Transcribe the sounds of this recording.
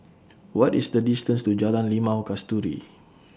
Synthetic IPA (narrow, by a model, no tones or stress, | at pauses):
wɔtisdədistə̃nstud͡ʒalãnlimãɔkastuɾḭ